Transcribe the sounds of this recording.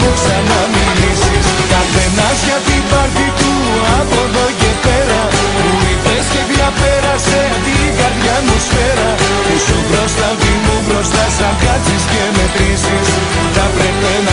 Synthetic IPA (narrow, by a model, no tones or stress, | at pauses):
oksanamilisiskɐpenasʝat̪ipɐɾt̪it̪u | apoðoʝepeɾɐ | uipesceðjapeɾaset̪ikaðʝamosfeɾɐ | t̪usupɾost̪ɐt̪imubɾost̪asɐkat͡siscemet̪ɾisis | ut̪apɾepen